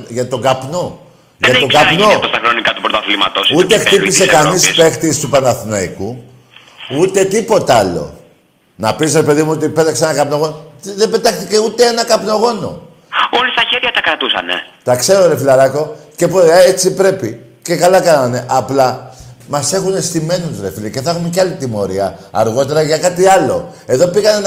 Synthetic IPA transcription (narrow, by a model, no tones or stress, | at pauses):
ʝɐt̪o̞ɡɐpno̞ | ʝɐt̪oɡɐpnoɐst̪ɐxɾo̞nikɐt̪upɾot̪ɐflimɐ̰t̪osut̪ext̪ipise̞kɐnispe̞xt̪ist̪upɐnɐθinɐiku | ut̪e̞t̪ipo̞t̪ɐɐlo̞̰ | nɐpisɾe̞pe̞ðimuot̪ipe̞t̪ɐkseenɐkɐpno̞ɣo̞noðebe̞t̪ɐxθice̞ut̪eenɐkɐpno̞ɣo̞no̞̰ | olist̪ɐçeɾʝɐt̪ɐkɾɐt̪usɐ̰nḛt̪ɐkse̞ɾoɾe̞filɐɾɐko̞ce̞poet͡sipɾe̞pi | ce̞kɐlɐkɐnɐne̞ʔɐplɐmɐse̞xune̞st̪ime̞nut̪uɾe̞filice̞θɐxumeceɐlit̪imo̞ɾiɐ̰ɐ̰ɾɣo̞t̪e̞ɾɐʝɐkɐt̪iɐlo̞̰e̞ðo̞piɣɐne